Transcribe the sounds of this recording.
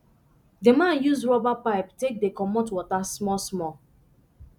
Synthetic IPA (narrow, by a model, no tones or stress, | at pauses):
demãnjuzɹɔbapaɪptek̚dekɔmotwɔtasmɔsmɔ